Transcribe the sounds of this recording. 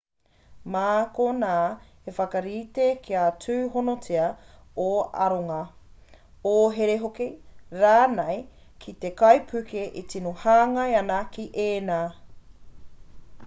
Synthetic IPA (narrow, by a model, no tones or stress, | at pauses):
maːkonaː | efɐkɐɾiːtekʰiat͡sʉːɦonot͡siɐoɐ̰ɾoŋɐ | oɦeɾeɦokiɾaːnɐj | kʰit̪ekɐjpʰʉkeʔit͡sinohaːŋɐjɐnɐkiʔeːnaː